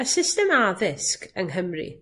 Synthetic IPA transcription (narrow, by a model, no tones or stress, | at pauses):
əsɪstɛmaðɪskəŋɦəmrḭ